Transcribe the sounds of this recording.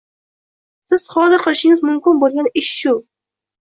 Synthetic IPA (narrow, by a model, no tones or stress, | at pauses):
sɪz̥χɒzɪɾqʰɨlˠɪʃɪŋɪzmʊmkʲɪnbolˠɡʲanɪʃːʊ